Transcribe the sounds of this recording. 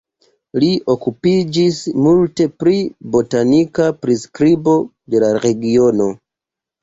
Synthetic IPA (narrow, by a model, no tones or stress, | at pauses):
liʔo̞kupid͡ʒismulte̞pɾibo̞tanikapɾiskɾibo̞ | de̞laɾe̞ɡiono̞